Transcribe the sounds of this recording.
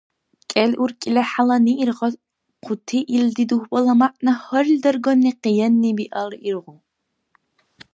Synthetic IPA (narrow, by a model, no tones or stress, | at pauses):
kʼɛlʔurkʼilɛħalaniʔirʁɔ | qʰut̪ʰiʔild̪id̪uhbɔlɐmaʔʼnɐhɔrld̪ɐrɡɔnːiqijɛnːibiʔɐlirʁu